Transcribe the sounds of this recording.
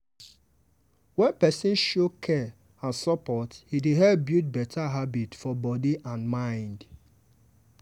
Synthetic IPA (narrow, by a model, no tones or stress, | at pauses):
wɛ̃npɛsɪ̃nʃokʰɛ | ãnsɔpɔthideɦɛbjut̚bɛtʰaɦabitfɔbɔdiʔãnmãɪ̃nd